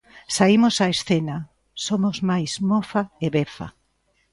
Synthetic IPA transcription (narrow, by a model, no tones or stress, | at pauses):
saimʊsaesθena | somozmajzmofaeβefa̰